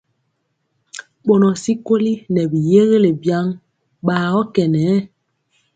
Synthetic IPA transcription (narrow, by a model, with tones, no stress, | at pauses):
ɓo˨nɔ˨si˦ko˦li˦nɛ˨bi˨je˦ɣe˦le˨bja˦ŋ | ɓaː˨ɔ˦kɛ˨nɛ˨˦